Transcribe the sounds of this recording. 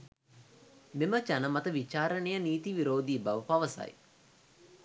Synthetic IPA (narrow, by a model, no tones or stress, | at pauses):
memət͡ʃanəmat̪əʋit͡ʃaːɾənejəniːt̪iʋiɾoːd̪iːbaʋəpaʋəsa̰j